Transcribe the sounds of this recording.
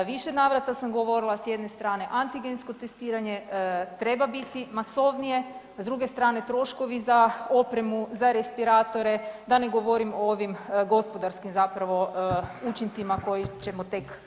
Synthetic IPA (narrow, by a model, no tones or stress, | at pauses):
ʋiʃenaːʋɾat̪asamɡoʋo̞ɾilˠasjed̪nest̪ɾaːne̞ʔant̪iɡensko̞t̪est̪iːɾaɲe̞t̪ɾe̞babit̪imaso̞ʋnije̞ | zd̪ɾuɡe̞st̪ɾaːne̞t̪ɾo̞ʃko̞ʋizaopɾe̞muzaɾespiɾaːt̪o̞ɾe̞d̪ane̞ɡo̞ʋo̞ɾimooʋimɡo̞spo̞d̪aɾskimzapɾaʋo̞ut͡ʃint̪simako̞jit͡ʃe̞mot̪e̞k